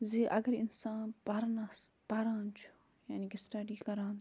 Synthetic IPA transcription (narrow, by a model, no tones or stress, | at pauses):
ziʔɐɡɐɾɪnsaːnpɐɾnas | pɐɾãːnt͡ʃʰu̥ | jaːniːkisʈɐɖiːkɐɾãːn